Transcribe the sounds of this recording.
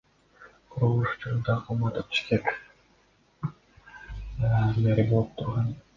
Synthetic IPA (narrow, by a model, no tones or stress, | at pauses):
qʰʊɾulˠuʃu̥t͡ʃuɾnd̪ɑqʰɑmɑt̪up̪̚i̥ʃk̪ek | meɾʲibo̞lˠup̚t̪ʰuɾʁɑn